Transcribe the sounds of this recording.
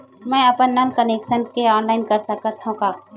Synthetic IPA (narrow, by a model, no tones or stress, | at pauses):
mɛ̃ːɐpənːɐnkɐnekʃənkeɔːnlaːɪnkɐɾsɐkət̪ʰɦũkaː